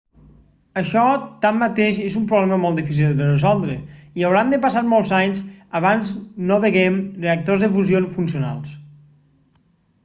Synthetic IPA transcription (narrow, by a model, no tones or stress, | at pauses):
əʃɔt̪amːat̪eʃezumpɾuβlɛməmɔlˠt̪d̪ifis̬ilˠd̪d̪ərəzɔlˠd̪ɾeiawɾand̪əpasaɾmolˠzaɲsəβanznoβeɣɛmreək̚t̪ozðəfuzionfunsiuna̰lˠs